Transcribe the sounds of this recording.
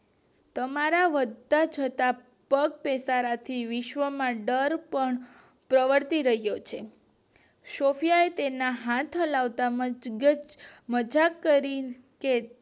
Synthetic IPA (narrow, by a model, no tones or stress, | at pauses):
t̪əmaɾaʋəd̪ʱːat͡ʃʰət̪a | pək̚pɛsaɾat̪ʰiʋɪʃʋəmãɖəɾpəɳ | pɾəʋəɾt̪iɾəɦjot͡ʃʰe | ʃofjaet̪enaɦãt̪ʰəlaʋt̪amɡəd͡ʒməd͡ʒakːəɾi | ke